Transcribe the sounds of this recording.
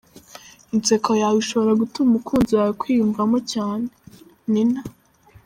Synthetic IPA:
int͡se̞kojawiʃo̞βo̞ɾaɡutumumukʰuːnziwajokwiːjuɱvamocaːne | nina

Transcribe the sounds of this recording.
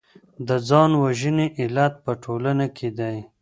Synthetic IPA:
d̪əd͡zɑnwaʒəneʔɪlat̪̚pəʈʰolanakʰed̪aj

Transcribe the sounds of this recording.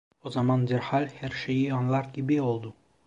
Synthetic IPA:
ɔzamɑnd̪eɾhalʲheɾʃeiɔnlˠaɾkʲibeɔlˠd̪u

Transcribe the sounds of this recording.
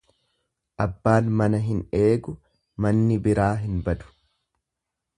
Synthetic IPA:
ʔɐbːaːnmɐnɐɦɪne̞ːɡʊ | mɐnːɪbɪɾaːɦɪnbɐd̪ʊ̥

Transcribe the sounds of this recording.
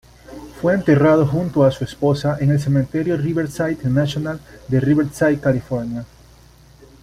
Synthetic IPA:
fwe̞ːnt̪erað̞oxunt̪oasuespo̞saʔene̞ls̬e̞mẽnt̪e̞ɾjoriβeɾsajt̪nasjonald̪eriβeɾsajt̪̚kalifo̞ɾnja

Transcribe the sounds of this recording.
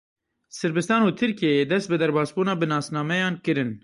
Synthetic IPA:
sɨɾbɨst̪ɑːnuːt̪ʰɨɾkijeed̪ɛst̪̚bɨd̪ɛɾbɑːsbuːnɑːbɨnɑːsnɑːmɛjɑːnkɨɾɨn

